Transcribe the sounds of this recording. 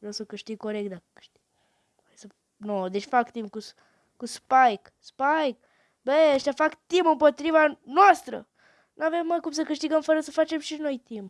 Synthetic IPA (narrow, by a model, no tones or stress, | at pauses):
ewsokɐʃt̪iɡkoɾeɡd̪akkɐ̥ʃt̪iɡ | sɐ | nod̪eʃfakt̪imkus | kuspajk | spajk | beeʃt̪ɐfakt̪imɐ̃pot̪ɾivanɔʃt̪ɾɐ̰ | nɐ̃vemmãkumsɐkɐʃt̪iɣɐmfɔɾɐsɐfat͡ʃɐpsiʒnojt̪im